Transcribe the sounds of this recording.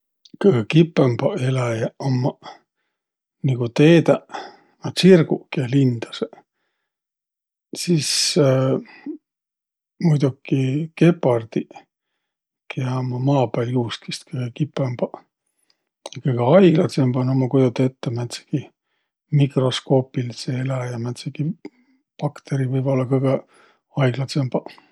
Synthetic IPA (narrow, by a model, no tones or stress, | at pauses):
kɯɡkipːˑemb̥ɑelɑjɑomːɑ | niɡut̪eːt̪æ | mɑsirɡukɑlind̪̥ɑse | sis | mujd̪̥ukːike̞pːˑɑrd̪̥i | kjɑmɑmɑːbæljuːskist̪kɤjɡ̥ekipːˑemb̥ɑ | jɑkɤjɡ̥eɑjɡ̥lɑt̪semb̥ɑnomɑkujd̪ut̪ːet̪ːemæt̪se̥ki | mikro̞sko̞ːpilselæjɑmæt̪seki | pɑkt̪eɾivɤjb̥o̞lːɑkɤjɡ̥e | ɑjɡ̥lɑt̪semb̥ɑ